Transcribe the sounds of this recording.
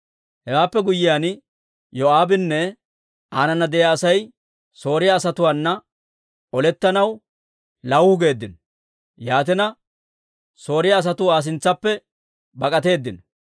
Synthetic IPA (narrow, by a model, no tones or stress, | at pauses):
hɛwaːpːɛɡʊjːɪjaːn | jɔaːbɪnːɛ | ʔaːnɐnːɐd̪ɛjaːsɐj | so̞ːɾɪjaːsɐt̪ʊwaːnːɐ | ɔlɛt̪ːɐnɐw | lɐwhʊɡe̞ːd̪ːɪnɔ | jaːt̪̬ɪnɐ | so̞ːɾɪjaːs̬ɐt̪ʊaːs̬ɪnt͡sːɐpːɛ | bɐkʼɐt̪e̞ːd̪ːɪnɔ